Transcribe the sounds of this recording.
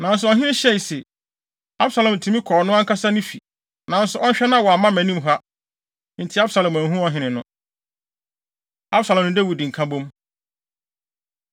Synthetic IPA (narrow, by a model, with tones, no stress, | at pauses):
nã˨n̩˦s̬ʊ˨ɔ˨ɦɪ̃˦ɪ̃˦ɕɛ˦˨sɛ˨ | a˦bsa˨lã˨m˨tʰũ˨˦mĩ˦kʰɔː˨nʊ̃˦a˦ŋ˦kʰa˦sa˦nʊ̃˦fi˨ | nã˨n˦sʊ˨ʔɔ˦ɕᶣɛ˦nã˦wɔ˨a˨mã˦mæ̃˨nĩ˦mɦa˦ | n̩˨tʰɪ˨˦a˦bsa˨lã˨mæ̃˨ɦũ˦ɔ̃˦ɦɪ̃˦nɪ̃˨nʊ̃˦ | a˦bsa˨lã˨mnʊ̃˦dæ˦wi˨dĩ˨ŋ̩˨kʰã˦bõ˦m